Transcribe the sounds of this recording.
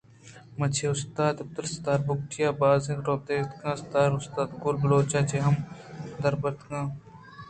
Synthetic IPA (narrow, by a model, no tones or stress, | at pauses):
mɐt͡ʃʰeʊst̪aːd̪ɪb̚t̪ulst̪aːɾbʊk̚ʈijaːbaːzẽnɾoːb̚d̪eːt̪kãːst̪aːɾʊst̪aːd̪ɡʊɾbɐloːt͡ʃaːt͡ʃeːɦɐmd̪ɐɾbɐɾt̪kãː